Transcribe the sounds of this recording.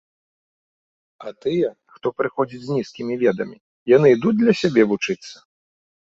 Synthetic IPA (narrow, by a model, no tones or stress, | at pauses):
ɐt̪ɨjɛ | xt̪ɔpɾɨxɔd͡zʲit͡sʲzʲnʲiskʲimʲivʲɛd̪ɐmʲi | janɨid̪ut͡s̚ʲd̪lʲɐsʲabʲɛvut͡ʂɨt̪sːɐ̥